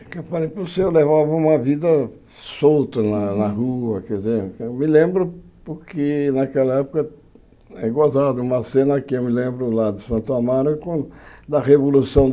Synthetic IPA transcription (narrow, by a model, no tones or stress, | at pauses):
kewfalejposewlevavɐũmɐvid̪ɐ | sowt̪ɐnɐnɐhuɐkɛzeɾewmɪlẽmbɾʊpʊɾkɪnakɛlɐɛpʊ̥kɐ | ɛɡozad̪ɐũmɐsẽnɐkɪewmɪlẽmbɾʊlad̪ɪsɐ̃nt̪ʊamaɾʊkõd̪ɐʁevolusɐ̃w̃